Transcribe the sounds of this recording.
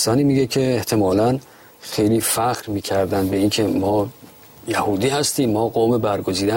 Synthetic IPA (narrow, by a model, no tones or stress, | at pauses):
sɒːniːmiːɟekʰeːht̪ʰe̞mɒːlæn | xejliːfæxɾmiːcʰæɾd̪ænd̪̚be̞incʰe̞mɒː | jæhuːd̪iːhæst̪iːmːɒːɡoːmebæɾɡo̞ziːd̪æ